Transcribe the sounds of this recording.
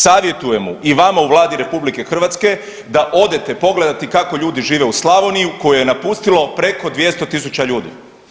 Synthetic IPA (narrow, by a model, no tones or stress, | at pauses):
saːʋje̞t̪uje̞muʔiʋamauʋlˠaːd̪iɾe̞publike̞xr̩ʋat̪ske̞ | d̪aʔo̞d̪e̞t̪e̞po̞ɡle̞d̪at̪ikako̞ʎuːd̪iʒiːʋe̞uslˠaʋo̞nijuko̞jejenapust̪ilˠo̞pɾe̞ko̞d̪ʋje̞st̪o̞t̪is̬ut͡ɕaʎuːd̪ḭ